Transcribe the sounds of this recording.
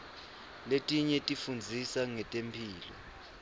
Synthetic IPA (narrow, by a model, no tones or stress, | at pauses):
letʼiɲɛtʼifund͡zʱisaŋɛtʼempʰiːlɔ̰